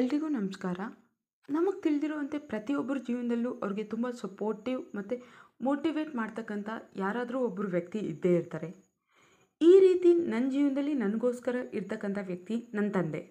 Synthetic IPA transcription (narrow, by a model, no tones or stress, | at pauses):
elːɐɾiɡuːnɐmskaːɾɐ | nɐmɐɡ̚t̪iɭid̪iɾoːɐnt̪epɾɐt̪iobːɐɾud͡ʒiːʋɐnd̪ɐlːuːʔɐʋɾiɡe̞t̪umbɐsɐpo̞ːɾʈiʋmɐt̪ːumoːʈiʋe̞ːʈmaːɖt̪ɐkːɐnt̪ʰɐjaːɾaːd̪ɐɾuːobːɐɾuʋjɐk̚t̪iḭd̪ːe̞iɾt̪aːɾe̞ | iːɾiːt̪inɐnːd͡ʒiːʋɐnd̪ɐlːinɐnɐɡo̞ːskɐɾɐʔiɾt̪ɐkːɐnt̪ʰɐʋjɐk̚t̪inɐnt̪ɐnd̪e̞̰